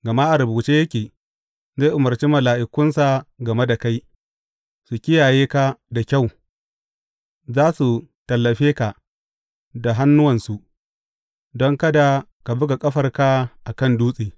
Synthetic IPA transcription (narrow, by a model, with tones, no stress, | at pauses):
ɡɐ˨ma˦ʔa˨ɾʊ˨buː˨t͡ʃeː˦jɐ˦kʲeː˨ | za˦jʔʊ˨mɐ˨rt͡ʃi˦mɐ˨laː˨ʔɪ˨kʷʊ˦nsa˨ɡɐ˨me˦da˨ka˦j | su˨kʲɪ˦jaː˨jeː˦ka˦da˨kʲa˦˨w | zaː˦su˨ | tɐ˨lːɐ˨ɸeː˦ka˨ | da˨ɦa˦nːʊ˦wɐ˨nsu˨ʔ | dɔ˦ŋkɐ˦da˨ | ka˨bʊ˦ɡa˨kʼɐ˦ɸɐ˨rka˦ʔa˨kɐ˦˨nduː˦sʼiː˨